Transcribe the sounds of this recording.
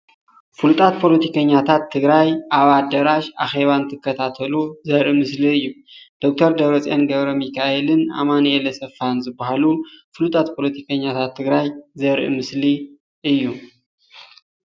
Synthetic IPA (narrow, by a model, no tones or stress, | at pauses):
fɨlut̪ʼat̪̚pʰo̞lɐt̪ʰikʰɐɲːat̪ʰat̪ʰːɨɡɾajʔaβad̪ɐɾaʃaxe̞βant̪ʰɨkːɐt̪ʰat̪ʰɐluzɐɾʔimɨsliɨjːud̪̥o̞k̚t̪ʰɐɾd̪ɐβɾɐt͡sʼenɡɐβɾɐmikʰaʔelɨna̰manelɐsɐfanzɨbːahalufɨlut̪ʼat̪pʰo̞lɐt̪ʰikʰɐɲːat̪ʰat̪ʰːɨɡɾajzɐɾʔḭmɨsli | ʔɨjːu